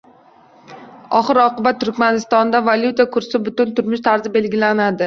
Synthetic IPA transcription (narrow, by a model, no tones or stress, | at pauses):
ɒχɨɾɒqɨbat̪ːʊɾkʲmanɪst̪ɒnd̪avalʲjut̪akʰʊɾsɪbʊt̪ʊnt̪ʰʊɾmɪʃt̪ʰaɾzɪbe̞lɡʲɪlanad̪ɪ